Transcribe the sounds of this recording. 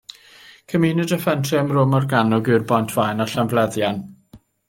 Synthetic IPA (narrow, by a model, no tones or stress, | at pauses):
kʰəmiːnədəfɛntʰrɛəmrʊmɔrɡanɔɡɨrbɔjntʰv̥ajnaɬanvlɛðjan